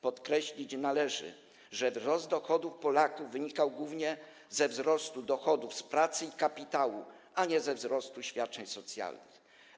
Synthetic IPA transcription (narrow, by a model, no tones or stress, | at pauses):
pɔt̪kɾɛɕlʲit͡ɕnalɛʐɘ̰ | ʐɛvzɾɔzd̪d̪ɔxɔd̪ufpɔlakuvːɘɲikawɡwuvɲɛ | zɛvzɾɔst̪ud̪ɔxɔd̪ufspɾat̪sɘikapʲit̪awu | aɲɛzɛvzɾɔst̪uɕfʲjat̪̚t͡ʂɛɲsɔt̪sʲja̰lnɘ̰x